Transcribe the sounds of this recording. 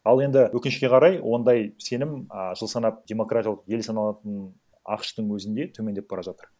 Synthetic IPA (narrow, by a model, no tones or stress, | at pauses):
ɑlˠe̞nd̪ɪwɵkʲɪnɪʃkʲe̞qʰɑɾɑjwʔo̞nd̪ɑjse̞nɪməʒəlˠsɑnɑp̚d̪ʲe̞mo̞krat̪ʲjɑlˠəqje̞lsɑnɑlˠɑt̪ən | ɑ̰qʃt̪əɴwɵzɪnd̪e̞t̪ʰɵme̞nd̪ep̚bɑɾɑʒat̪əɾ